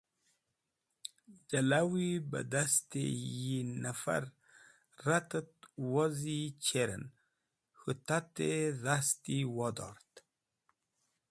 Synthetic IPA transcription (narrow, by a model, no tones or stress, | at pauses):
d͡ʒalawibə̰d̪ast̪ḛjinafa̰ɾ | ɾat̪ət̪̚wozit͡ʃʰeɾə̰n | hut̪at̪eðast̪iwɔd̪ɔ̰ɾt̪